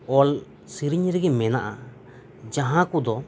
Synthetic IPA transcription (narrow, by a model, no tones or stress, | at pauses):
ɔl | siɾiɲɾɛɡɛmɛna̰ʔa̰ | d͡ʒaɦãkud̪ɔ